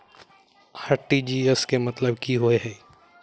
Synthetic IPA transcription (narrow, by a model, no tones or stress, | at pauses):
haʈːid͡ʒiːeskemɐt̪ləbkiɦoeɦɛː